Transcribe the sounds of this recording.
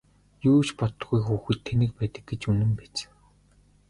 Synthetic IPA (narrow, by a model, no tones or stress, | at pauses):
juːt͡ɕpɔt̪̆ɡujxuːxɘ̆t̪ʰːenɘ̆k̚pæːt̪ə̆k̚ɡet͡ɕɵnɘ̆mpæːt͡ɕ